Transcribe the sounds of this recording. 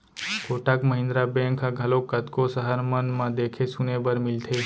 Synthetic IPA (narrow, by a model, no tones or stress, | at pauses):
koʈakməɦɪ̃nd̪ɾabẽŋkaɡʱəlokːət̪kosəɦəɾmənmãd̪ekʰesunebəɾmɪlt̪ʰe